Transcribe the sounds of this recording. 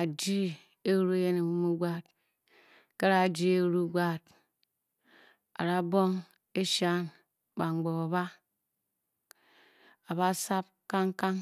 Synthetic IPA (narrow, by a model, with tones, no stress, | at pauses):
a˨d͡ʒi˦ | e˦ɾu˦e˦je˦ne˨bu˦mu˦ɡ͡ba˦˨t̚ | ke˦ɾa˨d͡ʒi˦e˦ɾu˦ɡ͡ba˦˨t̚ | a̰˨ɾa˦bo˦ŋ | e˦ʃa˦˨n | ba˨ŋ͡mɡ͡bɔ˨a˨βa˦ | a˨βa˦sa˦p̚ka˦ŋka˦ŋ